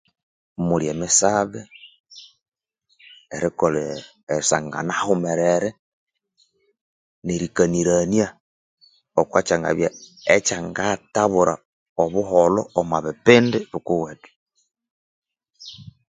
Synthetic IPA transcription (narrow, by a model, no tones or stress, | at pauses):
muɾjemisaβe | eɾikole | esa̰ŋɡa̰nahumeɾeɾe | neɾikaniɾanja | okwat͡ʃaŋɡa̰βjaet͡ʃaŋɡataβuɾa | oβuɦoloomaβipindiβukuwetu̥